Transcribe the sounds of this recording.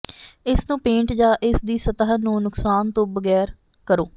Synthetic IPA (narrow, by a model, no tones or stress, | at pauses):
ɪsnũːpẽːɳʈd͡ʒaːʔɪsd̪iːsət̪əɦnũːnʊksaːnt̪õːbəɡɛːɾ | kəɾoː